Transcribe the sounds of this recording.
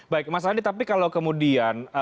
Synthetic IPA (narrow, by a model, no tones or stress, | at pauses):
baɪk̚mas̬aanit̪apikalowkəmudianə